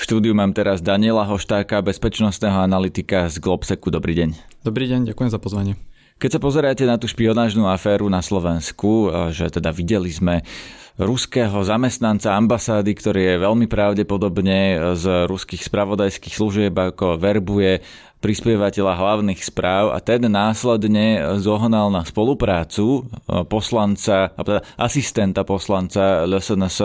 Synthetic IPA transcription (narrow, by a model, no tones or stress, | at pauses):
fʃt̪uːd̪iumaːmt̪ɛɾazd̪aɲɪɛlaɦɔʃt̪aːkabɛspɛt͡ʃnɔst̪nɛːɦɔanalit̪ikazɡlɔpsɛkud̪ɔbɾiːɟɛɲd̪ɔbɾiːɟɛɲɟakujɛmzapɔzʋaɲɪɛ | kɛcsapɔzɛɾacɛnat̪uːʃpiɔnaːʒnuːafɛːɾunaslɔʋɛnskuʒɛt̪ɛd̪aʋiɟɛlizmɛ | ɾuskɛːɦɔzamɛst̪nant͡saambasaːd̪ikt̪ɔɾiːjɛʋɛʎmipɾaʊɟɛpɔd̪ɔbɲɛzɾuskixspɾaʋɔd̪ajskiːxsluʒɪɛbakɔʋɛɾbujɛ | pɾispɪɛʋacɛʎaɦlaʊnixspɾaːʊa̰t̪ɛnːaːslɛd̪ɲɛzɔɦnalnaspɔlupɾaːt͡supɔslant͡saabɔt̪ɛd̪aʔasist̪ɛnt̪apɔslant͡saʎɔsɛns